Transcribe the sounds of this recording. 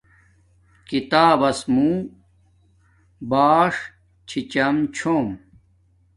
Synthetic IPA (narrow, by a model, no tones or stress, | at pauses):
kit̪aːbɐsmuː | baːʂ | t͡ɕʰit͡ɕɐmt͡ɕʰoːm